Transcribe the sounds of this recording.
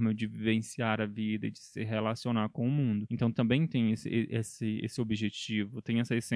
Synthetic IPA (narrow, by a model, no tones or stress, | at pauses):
mɐd͡ʒɪvivẽsiaɾɐvid̪ɐɪd͡ʒɪsɪɦelasionaɾkõʊmũd̪ʊẽnt̪ɐ̃w̃t̪ɐ̃mbẽj̃t̪ẽj̃esɪ̰ʔeʔesɪḛsɪobiʒet͡ʃivʊt̪ẽj̃ɛsɐesẽ